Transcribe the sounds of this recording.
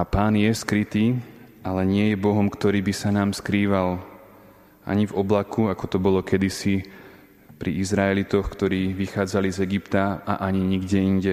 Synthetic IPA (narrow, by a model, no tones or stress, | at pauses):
apaːnjɛskɾit̪iːalɛɲɪɛjɛbɔɦɔmkt̪ɔɾiːbisanaːmskɾiːʋal | a̰ɲivɔblakuakɔt̪ɔbɔlɔkɛd̪isi | pɾiizɾaɛlit̪ɔxkt̪ɔɾiːʋixaːd͡zalizɛɡipt̪aa̰ʔaɲiɲiɡɟɛiɲɟɛ